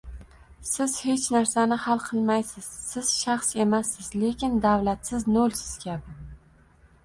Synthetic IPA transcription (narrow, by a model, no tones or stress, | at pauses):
sɪz̥he̞t͡ʃnaɾsanɪhalˠqʰɨlˠmajsɪz̥sɪz̥ʃaχse̞masːɪz̥le̞kʲɪnd̪avlat̪sɪznolsɪ̥z̥kʲʰabɪ